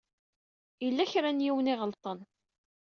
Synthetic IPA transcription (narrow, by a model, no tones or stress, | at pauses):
ilːæçɾænjiwəniʁəlt̪ˤən